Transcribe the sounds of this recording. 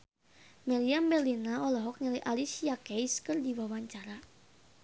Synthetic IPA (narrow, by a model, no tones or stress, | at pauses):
mɛliambɛrlinaɔlɔɦɔk̚ɲiləjʔalisijakejskərdiwawaɲt͡ʃaɾa